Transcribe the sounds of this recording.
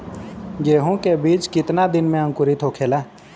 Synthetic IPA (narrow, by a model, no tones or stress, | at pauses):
jeːɦũkebiːt͡ʃkɪt̪nad̪ɪnmẽə̃ŋkʊɾit̪ʰoːkʰeːlaː